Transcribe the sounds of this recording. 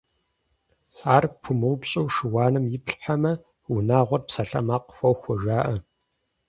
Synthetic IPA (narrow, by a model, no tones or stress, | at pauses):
aːrpʰʊmɨwpɕʼɐwʃɨwaːnɨmjɪpɬħamɐ | ʊnaːʁʷɔrpsɐɬɐmaːqfʷɐwxʷɔʒaːʔɐ